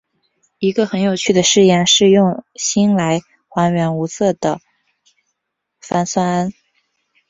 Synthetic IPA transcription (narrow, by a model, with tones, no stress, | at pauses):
i˧˥ɡə˧xə˧˥njo˨˩ʊt͡ɕʰy˥˩d̪ə˩ʂɻ̩˥˧jɛ˥˧nʂɻ̩˥˧jʊ˥˩˧ŋɕi˥nla˧˥ɪ | xwa˧˥nɥɛ˧˥nu˧˥t͡sʰɤ˥˩d̪ə˩ | fa˥nswa˥na˥n